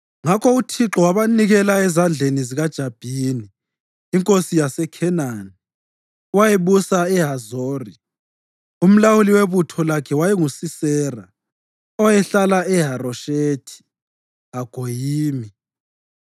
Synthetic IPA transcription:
ŋakʰɔutʰiǁɔwaβaniɣɛlaɛzand͡ɮʱeniziɣad̥ʒ̥ʱab̥ʱiniː | ŋkʼosijasɛkʰɛnani | wajeβusaɛɦazoːri | um̩lawuliweβutʰɔlakʰɛwajɛŋusisɛːra | ɔjɛɬalaɛɦarɔʃetʰi̥ | aɡ̥ʱojiːmi

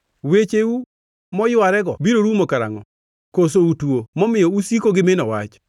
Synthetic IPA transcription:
wet͡ʃeu | mɔjʊaɾɛɡɔbiɾoɾumokaɾa̰ŋɔ | kos̬outwomɔmɪjɔusikoɡɪmenɔwa̰t͡ʃ

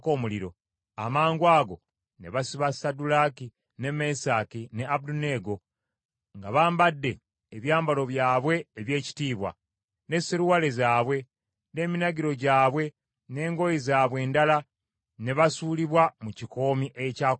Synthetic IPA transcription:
koːmuliɾo̞̰ | amaːŋɡwaːɡo̞̰ | ne̞βasiβasadulaːki | ne̞me̞sakine̞aβudune̞ɡo̞ | ŋɡaβaːmbadːe̞ː | βjaːmbalo̞βjaːβwe̞ːβje̞ːci̥tiːβwa̰ | ne̞siɾuwalezaːβwe̞ | ne̞ːminaɡiɾo̞ɟaːβwe̞ | ne̞ːŋɡo̞jizaːβwe̞ːndala | ne̞βasuːliβwamuciko̞ːmiʔecaː

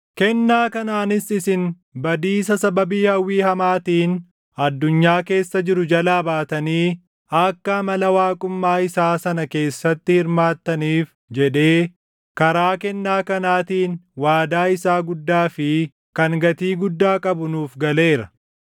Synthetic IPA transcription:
kɛnːaːkɐnaːnɪsɪsɪn | bɐd̪iːs̬ɐsɐbɐbiːhɐwːiːhɐmaːt̪iːn | ɐd̪ːʊɲːaːke̞ːsːɐd͡ʒɪɾʊd͡ʒɐlaːbaːt̪ɐniː | ɐkːɐmɐlɐwaːkʼʊmːaːɪsaːsɐnɐke̞ːsːɐt̪ːɪhɪɾmaːt̪ːɐniːf | d͡ʒɛᶑe̞ː | kɐɾaːkɛnːaːkɐnaːt̪iːnwaːd̪aːɪsaːɡʊd̪ːaːfɪ | kɐŋɡɐt̪iːɡʊd̪ːaːkʼɐbʊnuːfɡɐle̞ːɾɐ

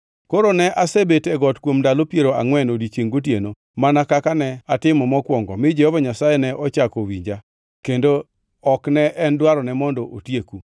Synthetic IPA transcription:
koɾonɛʔasebetɛɡɔtkwomdalopjeɾoa̰ŋwɛnodit͡ʃeŋɡot̬jeno | manakakanɛatɪmɔmɔkwɔŋɡɔ̰mɪd͡ʒɛhɔvaɲasajɛnɛʔɔt͡ʃakɔwiɲd͡ʒa | kendo | ɔknɛʔɛndwaɾɔnɛmɔndɔʔotjeku

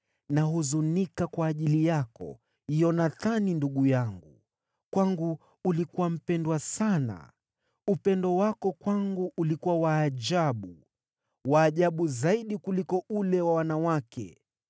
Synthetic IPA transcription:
naɦuzunikakwaːʄilijakɔ̰ | ijɔnaθaninduɠujaŋɡu | kwaŋɡu | ulikuwam̩pɛndwasana̰ | upɛndɔwakɔkwaŋɡuʔːlikuwawaːʄaɓu | waːʄaɓuzaiɗikulikɔʔulɛwawanawakɛ̰

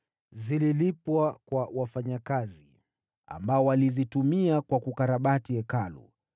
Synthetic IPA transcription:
zililipwakwawafaɲakazi | a̰mbaɔwalizitumiakwakukaɾaɓatiɛkalṵ

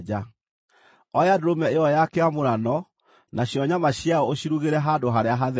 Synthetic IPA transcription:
d͡ʒa | ɔjeadoɾomɛeɔjakeamoɾanɔ | nʔaɕjɔɲamaɕjaɔoɕiɾuɣeɾɛɦadoɦaɾeaɦaðɛ

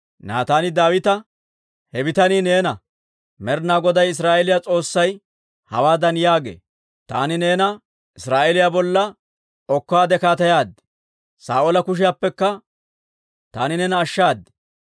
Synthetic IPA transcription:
na̰ːt̪aːnɪd̪aːwɪt̪ɐ | hɛbɪt̪ɐniːne̞ːnɐ | mɛɾnaːɡɔd̪ɐjɪs̬ɾaːʔɛlɪjat͡sʼo̞ːsːɐj | hɐ̰waːd̪ɐnjaːɡḛː | t̪a̰ːnɪneːnɐ | ʔɪsɾaːʔɛlɪjabɔlːɐ | ɔkːaːd̪ɛkaːt̪ɐjaːd̪ɛ | saːʔolɐkʊʃ̬ɪjaːpːɛkːɐ | t̪aːnɪnɛnɐːʃːaːd̪ːɛ̥

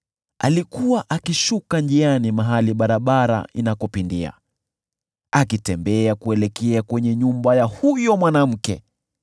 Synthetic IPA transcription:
a̰likuwaʔakiʃukanʄianimaɦaliɓaɾaɓaɾa̰inakɔpindia̰ | akitɛmbɛakuɛlɛkɛakwɛɲɛɲumbajahujɔmwanam̩kɛ̰

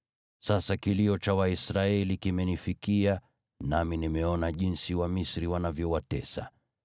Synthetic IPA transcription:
sasakiliɔt͡ʃawaisɾaɛlikimɛnifikia | naminimɛɔnaʄinsiwamisɾiwanavjɔwatɛsa̰

